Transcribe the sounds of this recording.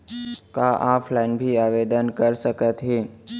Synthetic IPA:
kaʔãpʰlajnbʱiaʋed̪ənkəɾsəkət̪ɦe

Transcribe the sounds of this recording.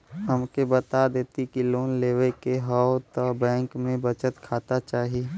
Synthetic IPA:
ɦəmkebət̪ad̪eːt̪ikiloːnleːwekeɦɔot̪ɔbɛ̃ːŋkmẽbət͡ʃət̪kʰaːt̪at͡ʃaːɦie

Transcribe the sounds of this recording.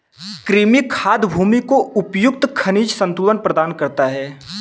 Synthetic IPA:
kɾiːmikʰaːd̪bʱuːmikoʊpjʊk̚t̪kʰɐniːd͡ʒsə̃nt̪uːʋənpɾəd̪aːnkɐɾt̪aɦɛː

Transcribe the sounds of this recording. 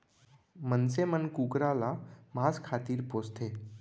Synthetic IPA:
mənsemənkukɾalam̤ad͡zkʰat̪iːɾpost̪ʰe

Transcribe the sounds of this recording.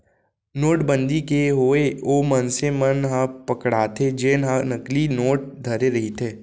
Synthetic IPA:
noːʈbə̃nd̪ikeɦoːeoːmənsemənɦãpɐkɽaːt̪ʰed͡ʒeːnɦãnɐklinoːʈ̚d̪ʱɐɾeɾɐɦit̪ʰeː

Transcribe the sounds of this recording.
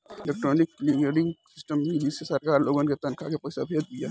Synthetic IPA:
ɪleːk̚ʈɾoːnɪkːliɡeɖɪ̃ŋɡsɪsʈəmːid͡ʒisesɐɾkaːɾloːɡonket̪ɐnkʰakepɐɪsabʱeːd̪̚d̪ija

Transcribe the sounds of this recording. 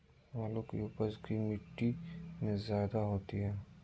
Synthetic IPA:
ʋaːlokḭuːpəzkimɪʈːimẽzjaːd̪aɦoːt̪iɦɛː

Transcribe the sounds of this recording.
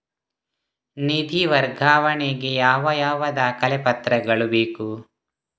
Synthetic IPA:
nid̪ʱiʋɐɾɡʱaːʋɐɳeɡe̞jaːʋɐjaːʋɐd̪aːkɐlepɐt̪ɾɐɡɐɭubeːku

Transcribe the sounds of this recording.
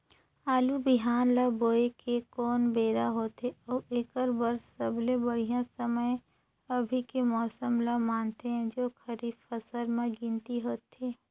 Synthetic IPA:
aːlubɪɦaːnlaboːekekɔːnbeːɾaɦoːt̪eɔːʔeːkəɾbəɾsːəblẽbəɽijãsəməj | ɐbʱikemɔːsəmlamaːnt̪eɦɛ̃d͡ʒoːxʰəɾiːbfəsəɾmẽɡɪ̃nt̪iɦoːt̪eː

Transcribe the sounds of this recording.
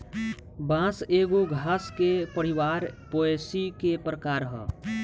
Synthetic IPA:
bãːseːɡoɡʱaːskepəɾɪwaːɾpoːesikepɾəkaːɾɦɛ̰

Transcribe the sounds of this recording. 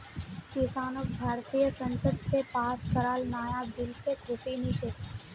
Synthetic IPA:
kɪsaːnək̚bʱaːɾt̪iːjəsə̃nsəd̪sepaːskəɾaːlnaːjad̪ɪlsekʰʊsiniːt͡ʃet̪ː

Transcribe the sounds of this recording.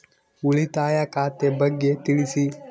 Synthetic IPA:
uɭit̪aːjakat̪ebəɡːet̪iɭisi

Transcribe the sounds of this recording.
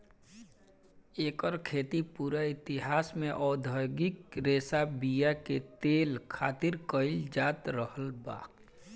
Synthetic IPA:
eːkəɾkʰeːt̪ipuːɾaɪt̪ɪɦaːsmẽʔɔːd̪ʱəɡɪkɾeːsabijaket̪eːlkʰaːt̪ɪɾkəɪld͡ʒaːt̪ɾəhəlba̰ːk

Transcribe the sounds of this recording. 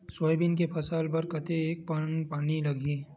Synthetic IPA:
soːjbɪnk̬epʰɐsaːlbɐɾkɐt̪eeːk̚pɐnpaːnilɐɡʱi

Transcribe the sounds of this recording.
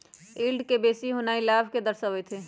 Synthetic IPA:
ilɖkebeːsiɦonaːilaːbʱked̪əɾsəʋɛt̪ʰeː

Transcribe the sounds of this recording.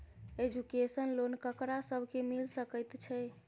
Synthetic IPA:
ed͡ʒukesənlonkəkɾasəbʱkemilsəkəjt̪t͡ʃʰɛ

